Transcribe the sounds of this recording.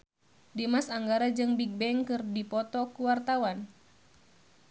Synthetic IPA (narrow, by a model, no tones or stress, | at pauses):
dimasaŋɡaɾad͡ʒɨŋbiɡ̚bɛŋkɨrdipɔt̪ɔkuwart̪awan